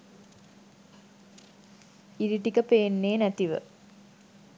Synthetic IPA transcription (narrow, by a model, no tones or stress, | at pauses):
iɾiʈikəpeːnːeːnæt̪iʋə̰